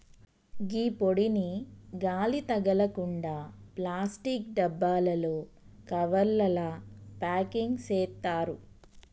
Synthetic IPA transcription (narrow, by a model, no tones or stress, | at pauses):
ɡiːpoɽiniɡaːlit̪ɐɡɐlɐkuɳɖaːplaːsʈikɖɐbːaːlɐloː | kɐʋɐɾlɐlɐpaːkiŋɡseːt̪ːaːɾu